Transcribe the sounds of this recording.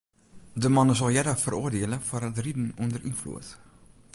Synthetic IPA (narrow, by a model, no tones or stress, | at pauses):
dəmɑnəsɑlˠjɛdəχfərʔoərdiələfəɾətridənɔndəɾʔḭnflṵət